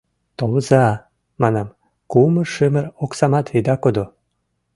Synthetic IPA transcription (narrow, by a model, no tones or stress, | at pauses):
t̪olzɑ | mɑnɑm | kuməʃɨməɾoksɑmɑt̪vid̪ɑkod̪o